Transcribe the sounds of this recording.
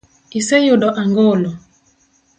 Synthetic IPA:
isejoɗɔʔaŋɡolɔ

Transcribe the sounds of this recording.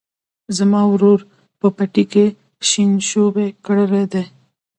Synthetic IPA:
zamɑwɾoɾ | pəpaʈike | ʃinʃobekəɽəɾed̪e

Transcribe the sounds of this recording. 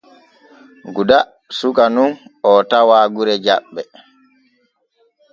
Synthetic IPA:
ɡuda | sukanunɔtawaːɡuɾɛd͡ʒaɓːɛ

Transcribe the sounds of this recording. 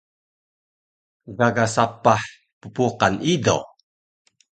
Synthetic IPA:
ɡaɡasapaħ | pupuqanido̰

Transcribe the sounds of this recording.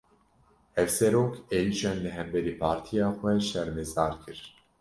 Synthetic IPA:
ɛvsɛɾoːkʰeliʃɛnlɛɦɛmbɛɾiːpʰaːɾt̪ʰijaːxʷɛʃɛɾmɛzɑːɾkʰɨɾ

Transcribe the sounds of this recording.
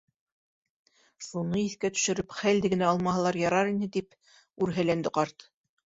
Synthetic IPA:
ʃunɤiθkæt̪ɵ̥̆ʃɘ̆ɾɵpχæld̪ɘ̆ɡɘ̆næɑlˠmɑɦɤlˠɑɾjɑɾɑɾinɘt̪ip | ʉɾɦælænd̪ɘqɑɾt̪

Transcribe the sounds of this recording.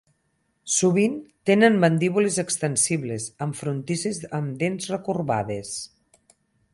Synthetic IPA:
suβint̪enənbənd̪iβulezəkst̪ənsiβlezəɱfɾunt̪isezəmd̪enzrəkurβa̰ðes

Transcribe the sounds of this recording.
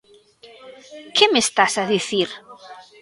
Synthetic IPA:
kʰɪmest̪asaðiθiɾ

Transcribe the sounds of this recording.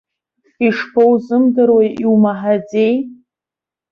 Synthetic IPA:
fiʂpʰowzɨmdɨɾwajʔiwmaħad͡ze̞j

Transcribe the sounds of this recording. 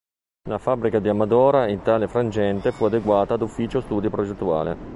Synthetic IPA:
lafabːɾikad̪iamad̪ɔːɾaint̪aːlefɾand͡ʒɛnt̪efuad̪eɡwaːt̪aːd̪ufːiːt͡ʃost̪uːd̪ipɾod͡ʒet̪ːua̰ːlḛ

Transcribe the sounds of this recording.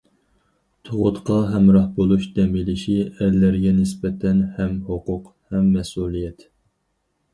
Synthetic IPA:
t̪ʰoʁʊt̪qʰɑɦɛmɾɑhbolˠuʃd̪ɛmilɪʃiɛlːæɾɡʲɛnɪsbɛt̪ʰɛnhɛmhoqʊq | hɛmːɛsulˠijɛt̪

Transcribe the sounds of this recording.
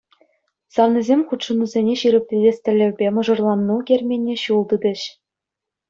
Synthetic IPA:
sɑʋnʲizʲemʲχut̪ʂɤ̆nuzʲenʲeɕiɾɘ̆p̚ʲtʲidʲesʲtʲɘ̆lʲːɘ̆rʲbʲemɤ̆ʐɤ̆rlˠɑnːuɡʲerʲmʲenʲːeɕulˠd̪ɯd̪ʲɘ̆ɕ

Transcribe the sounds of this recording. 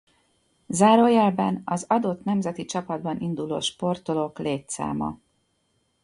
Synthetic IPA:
zaːɾoːjɛlbɛ̰nɒzɒd̪o̞t̪nɛmzɛt̪it͡ʃɒpɒd̪bɒnʔind̪ulo̰ːʃpo̞rt̪o̞lo̞kleːt̪sa̰ːmɒ̰

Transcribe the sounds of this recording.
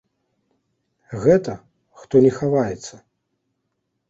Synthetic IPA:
ɣɛt̪ɐ | xt̪ɔnʲɛxavajɛt̪sːɐ

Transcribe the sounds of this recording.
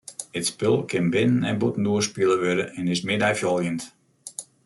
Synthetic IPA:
ɪtspɪlˠkʰɪnbɪnənɛnbutən̩duəspilˠəʋødəɛnɪsmɪdɛjfjɔlˠjənt

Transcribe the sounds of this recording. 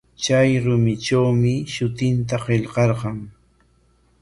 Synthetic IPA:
t͡ʃajɾʊmɪt͡ʃawmɪʃʊt̪ɪnt̪̬aqeʎqɑɾɢɑŋ

